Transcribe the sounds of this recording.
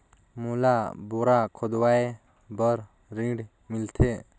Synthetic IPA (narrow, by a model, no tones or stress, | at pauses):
mulaboɾakʰod̪wae | bəɾ | ɾĩɖ | milt̪ʰe